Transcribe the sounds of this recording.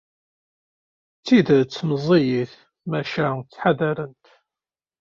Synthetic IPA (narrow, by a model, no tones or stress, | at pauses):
t͡sːiðt͡sːməzˤijiθ | mæʃæt͡sːħaðæɾənt̪